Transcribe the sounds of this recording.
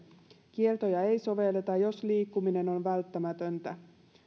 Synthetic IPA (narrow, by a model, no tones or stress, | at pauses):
kie̞rt̪o̞jɑe̞jso̞ʋe̞lːet̪ɑjo̞sliːkːumine̞no̞nʋælt̪ːæmæt̪ø̞nt̪æ